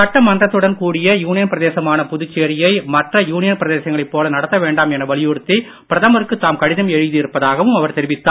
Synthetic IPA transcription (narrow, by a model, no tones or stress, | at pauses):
ɐʈːɐmɐnd̪rɐt̪ːɯɽɐnkuːɽɪjɐjuːnɪjɐnpɪɾɐðeːsɐmaːnɐpʊðʊt͡ʃːɐɾɪjɐɪmɐʈrɐjuːnɪjɐnpɪɾɐðeːsɐŋɡɐɭɐɪpːoːlɐnɐɽɐt̪ːɐʋeːɳɖaːmɛnɐʋɐɭɪjʊɽɯt̪ːi | pɪɾɐðɐmɐɾɯkːɯt̪ːaːmkɐɽɪðɐmɛɻɯðiɪɾɯpːɐðaːɣɐʋɯmɐʋɐɾt̪ɛɾɪʋɪt̪ːaː